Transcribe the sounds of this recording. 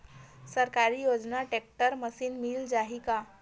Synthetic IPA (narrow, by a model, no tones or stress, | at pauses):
səɾkaɾiːjod͡znaʈek̚ʈəɾməsiːnmiːld͡zaɦika